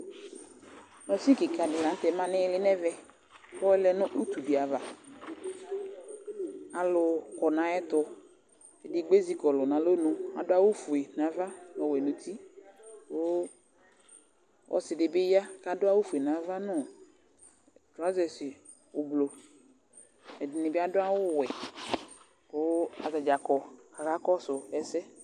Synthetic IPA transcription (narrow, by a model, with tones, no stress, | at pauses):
nɔ˨si˦kɪ˨ka˨dɪ˨la˨n˦t̪ɛ˨mã˦nɪ̃˦lɪ˦nɛ˦vɛ˦ | xɔ˦ɛ˦lɛ˦nʊ̃˦ʔu˦t̪u˨di˨a˨va˨ | a˨lʊ˨kɔ˨nã˨ɛ˦t̪ɔ˨ | e˨dɪ˨ɡ͡be˦zi˦kɔ˨lɔ˨nã˨lo˦nʊ̃˨a̰˨dʊ˦a˦wʊ˦fu˨e˨nã˨va˦nɔ˨wɛ˨nʊ̃˨t̪i˦bo˦ | ʔɔ̰˨sɪ˨dɪ˨bɪ˦ja˦ka˨dʊ˦a˦wʊ˦fu˨e˨nã˨va˦nʊ̃˦˨ | tʊ˨a˦zɛ˨sɪ˨ | ʊ˨blo˨ | ɛ˨dɪ˨nɪ̃˨bɪ˦a˦dʊ˦a˦wʊ˦wɛ˨ | bo˦a˨za˨d͡ʒa˨kɔ˨ka˨ɣa˦kɔ˦sʊ˨ɛ˨sɛ˦